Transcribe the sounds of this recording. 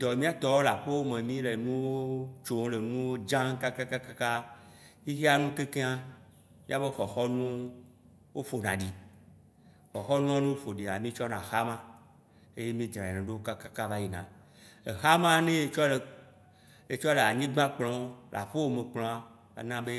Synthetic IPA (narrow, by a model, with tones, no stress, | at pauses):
d̪ɔ˨mĩ˦a˦t̪ɔ˦wo˦la˨ɸo˦wo˦mẽ˨mĩ˦le˨nũ˦wo˦t͡ʃo˨˦le˨nũ˦wo˦d͡ʒã˦ŋ˦ka˦ka˦ka˦ka˦ka˦ | i˦xe˦a˦nũ˦ke˦ke˦ã˦ | mĩ˦a˦be˦xɔ˨xɔ˦nũ˦ | wo˦fo˨nã̰˨ɖi˨ | xɔ˨xɔ˦nũ˦a˦nũ˦wo˦fo˨ɖi˨a˨mĩ˦t͡ʃɔ˦nã˨xa˦mã˦ | e˦je˦mĩ˦d͡ʒ̪ɾã˨i˨nẽ˨ɖe˦wo˦ka˦ka˦ka˦va˦ji˨nã̰˨ | e˨xa˦mã˦nẽ˦e˨t͡ʃɔ˦le˨ | e˨t͡ʃɔ˦le˨a˨ɲĩ˦ɡ͡bã˦k͡plɔ̃˨˦lʔa̰˨ɸo˦wo˦mẽ˨k͡plɔ̃˨a˦ | a̰˨nã˦be˦